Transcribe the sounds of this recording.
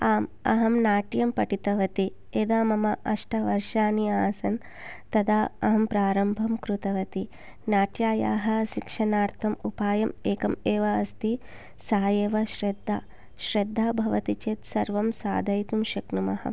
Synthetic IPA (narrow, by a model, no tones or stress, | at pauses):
aːmɐ̰ɦɐmnaːʈjɐmpɐʈit̪ɐʋɐt̪i | eːd̪aːmɐmɐʔɐʂʈɐʋɐɾʂaːniaːsɐn | t̪ɐd̪aːɐɦɐmpɾaːɾɐmbʱɐmkɾut̪ɐʋɐt̪i | naːʈjaːja̰ːɦɐ̆ʃikʂɐnaːɾt̪ʰɐmupaːjɐmeːkɐmeːʋɐːst̪i | saːjeːʋɐʃɾed̪ʱːaː | ʃɾed̪ʱːaːbʱɐʋɐt̪it͡ʃeːt̪sɐɾʋɐmsa̰ːd̪ʱɐjt̪umʃɐknumɐɦɐ̰